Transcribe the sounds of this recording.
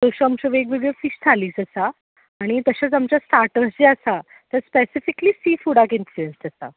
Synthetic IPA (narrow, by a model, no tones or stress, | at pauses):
t̪əɕaamt͡ɕaʋek̬ʋiɽijofiɕd͡zʰʱaliːsəsaː | ɽ̃it̪əɕat͡samt͡ɕasʈ̪aɾʈəsd͡ʑeasa | t̪əɾspesifikliːsiːfuɽakinfluenst̪əsa̰